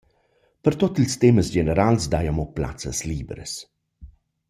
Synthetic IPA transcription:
pəɾt̪ɔt̪ilst̪ɛməsd͡ʒenəɾalsd̪ajamɔpla̰t͡sə̰sliːbɾə̰s

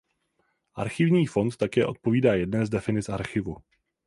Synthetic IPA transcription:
ʔa̰ɾxɪvɲiːfo̞nt̪ːakɛːʔo̞t̪̚po̞viːdaːjɛdnɛːzdɛfɪnɪt͡ssʔaɾxɪvu

